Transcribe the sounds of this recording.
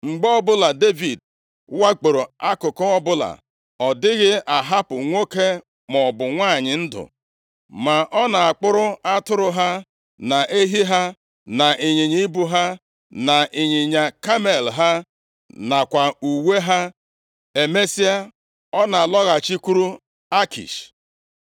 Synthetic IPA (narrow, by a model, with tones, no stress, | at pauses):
ŋ͡m̩˨ɡ͡bɔ˦bʊ˦la˨de˦vi˨d̚ | wa˦k͡po˨ɾo˨a˦kʊ˨kʊ˦ɔ˦bʊ˦la̰˨ | ɔ˨dɪ˦ɣɪ˦ʔa˨ɦa˦pʊ˨ŋʷo˦ke˦ | mɔ˨bʊ˨ŋʷa˦˨ɲɪ˨n̩˦dʊ̰˨ | ma˨ʔɔ˦na˨a˨k͡pʊ˦ɾʊ˦a˦tʊ˦ɾʊ˨ɦa˦ | na˨ʔe˦ɦi˦ɦa˦ | na˨ɪ˨ɲi˨ɲi˦bu˦ɦa˦ | na˨ʔɪ˨ɲɪ˨ɲa˨ka˦me˨lɦa˦ | na˨kʷa˨u˨we˦ɦa˦ | e˨me˦si˦a˦ | ɔ˦na˨a˨lɔ˦ɣa˨t͡ʃi˦ku˦ɾu˦ | a˦kḭ˨ʃ